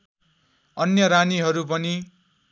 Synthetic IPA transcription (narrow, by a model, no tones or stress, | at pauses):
ʌnjʌɾaniɦʌɾupʌni